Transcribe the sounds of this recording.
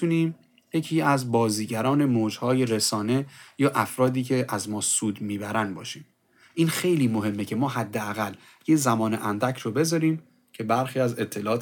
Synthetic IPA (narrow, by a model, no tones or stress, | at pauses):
t̪ʰuniːm | je̞cʰiːæzbɒːziːɟæɾɒːne̞moːd͡ʒhɒːje̞ɾesɒːne̞jɒːʔæfɾɒːd̪iːcʰe̞ʔæzmɒːsuːd̪miːbæɾænbɒ̰ːʃiːm | ʔiːnxe̞jliːmoɦe̞mːecʰe̞mɒːɦæd̪ːeæɣælː | jezæmɒːneʔænd̪æcʰɾobe̞zɒːɾiːm | cʰe̞bæɾxiːæze̞t̪ʰːe̞lɒːt̪